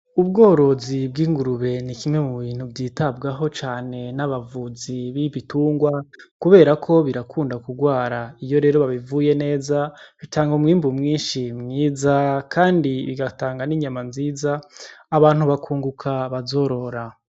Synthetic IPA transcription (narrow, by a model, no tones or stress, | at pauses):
ubɡo̞ːɾo̞zibɡiːŋɡuɾuβe̞nikimŋe̞muβiːn̥hubdiːtabɡaɦo̞t͡ʃaːne̞naβavuziβiβituːŋɡwakuβe̞ːɾakʰo̞βiɾakʰuːndakuɡwaːɾaijo̞ɾe̞ːɾo̞βaβivuje̞ne̞ːzaβitaːŋɡomŋiːmbumŋiːnʃimŋiːzakʰaːndiβiɡataːŋɡaniɲamanziːzaːβaːn̥huβakʰuːŋɡukʰaβazo̞ɾo̞ɾa